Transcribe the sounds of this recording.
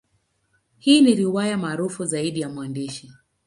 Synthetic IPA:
hiːniɾiwajamaːɾufuzaiɗijamwandiʃi

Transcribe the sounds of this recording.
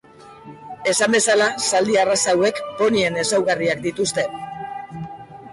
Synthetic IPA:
e̞sambe̞salasald̪iarasawe̞kpo̞nie̞ne̞sawɣariakd̪it̪ust̪e̞

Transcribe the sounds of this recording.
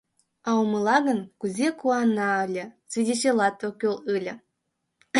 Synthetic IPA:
ɑomə̆lˠɑɣənkuzʲekuɑnːɑəlʲə̆svʲidʲeɕelɑt̪okʲølˠɯlʲə̆

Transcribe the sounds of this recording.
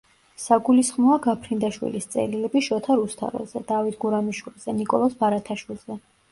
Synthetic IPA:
saɡulisχmɔaɡapʰɾind̪aʃwḭlist̪sʼɛ̰lilɛbiʃɔt̪ʰaɾust̪ʰa̰ɾɛ̰lzɛd̪̥avit̪ʰɡuɾamiʃwilˠz̥ɛnikʼɔlˠɔsbaɾat̪ʰaʃwilˠz̥ɛ

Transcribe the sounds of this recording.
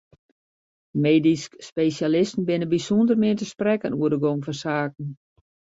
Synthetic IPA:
meːdiskːpesjalɪstn̩bɪnəbisundərmɪətəsprɛkənuərdəɡomfɔnsaːkn̩

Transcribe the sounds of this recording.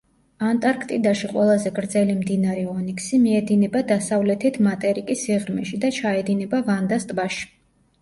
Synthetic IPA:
ant̪ʼaɾkʰt̪ʼid̪aʃiqʼwɛlˠazɛɡɾd̪zɛlimd̪inaɾɛɔnikʰsimiɛd̪inɛbad̪asavlɛt̪ʰit̪ʰmat̪ʼɛɾikʼisiʁɾmɛʃid̪at͡ʃʰaɛd̪inɛbavand̪ast̪ʼbaʃi̥

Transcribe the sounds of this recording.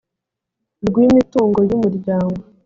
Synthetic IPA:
ɾɡwiːmituːŋɡojumuɾɟaːŋɡo

